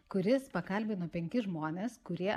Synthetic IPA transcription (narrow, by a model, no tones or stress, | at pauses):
kʊɾʲɪspɐkɐlʲbʲɪnoːpʲɛŋʲkʲɪʒmoːnʲeːskʊɾʲiɛ